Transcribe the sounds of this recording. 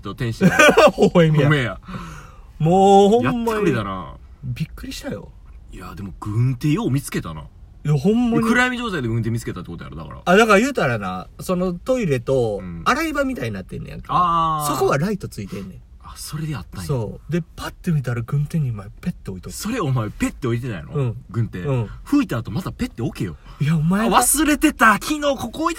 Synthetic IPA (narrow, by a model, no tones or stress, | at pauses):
t̪ːot̪ẽɰ̃ɕihoemʲiameja | moːhõ̞jaːaɯet̪ana̰ | bʲikːɯ̟ɾʲiɕi̥t̪ajo̞̰ | ia̰d̪e̞mo̞ɡ̥ɯ̟̃nt̪ejoːmʲit͡sɨ̥ke̞t̪ana̰ | jaɦõ̞mːaɲkɯ̟ɾajmʲiʑo̞ːt̪aid̪eɡɯ̟̃nt̪eːmʲit͡sɨ̥ke̞t̪at̪ːekot̪oja̰ɾɯd̪aka̰ɾa̰ad̪akaɾajɯ̟ːt̪aɾana̰so̞no̞t̪o̞iɾe̞t̪o̞ɯ̃aɾaibamʲit̪aiɲ̟inat̪ːe̞nːo̰ja̰ŋkaaso̞ko̞βaɾait̪o̞t͡sɨit̪ẽ̞nːẽ | aso̞ɾe̞d̪eat̪ːaso̞ːd̪e̞pat̪ːemʲit̪aɾaɡɯ̟̃nt̪ẽ̞ɲ̟ːimaepe̞t̪ːe̞o̞it̪okso̞ɾeomaepe̞t̪ːeo̞it̪̬e̞na̰ḭnoɯ̟̃ːɡɯ̟̃nt̪eɯ̟̃ɸɯ̟it̪aːt̪o̞mazape̞t̪ːeoke̞jo̰jaomaeβasɨɾe̞t̪e̞t̪akʲʰino̞ːko̞koit̪